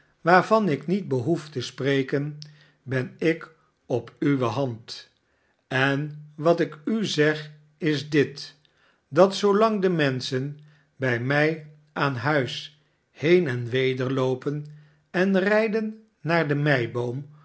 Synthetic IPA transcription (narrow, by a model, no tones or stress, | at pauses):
ʋaːɹvɑnɪknid̚bəɦuftəsprejkən | bɛnɪk | ɔpyʋəɦɑnt | ɛnʋɑtɪkyzɛχ | ɪzdɪt | dɑtsowlɑŋdəmɛnsən | bɛjmɛj | aːnɦœɥs | hejnɛnʋejdəɹlowpən | ɛnrɛjdənː | aːɹdəmɛj̚bowm